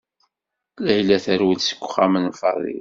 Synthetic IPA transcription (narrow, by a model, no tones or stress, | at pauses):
læjlæθəɾwilsə̥kʷːχæmənfɑ̰ðˤḭl